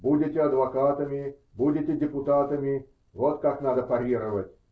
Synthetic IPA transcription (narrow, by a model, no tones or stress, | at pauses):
budʲɪtʲeɐd̪ʋɐkaːt̪ɐmʲi | budʲɪtʲedʲɪpʊt̪aːt̪ɐmʲi | ʋot̪kaknad̪ɐpɐɾʲiɾɐʋɐtʲ